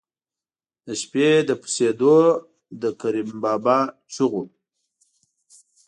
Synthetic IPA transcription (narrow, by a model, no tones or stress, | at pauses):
d̪əʃped̪əpu̥sed̪o | d̪əkaɾimbɑːbat͡ʃuɣu